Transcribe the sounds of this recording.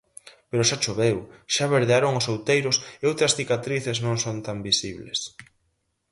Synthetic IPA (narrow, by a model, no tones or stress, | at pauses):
peɾʊʃat͡ʃoβewʃaβeɾðeaɾoŋʊsowt̪ejɾʊseowt̪ɾɐsθikat̪ɾiθeznõŋsont̪ambisiβlḛs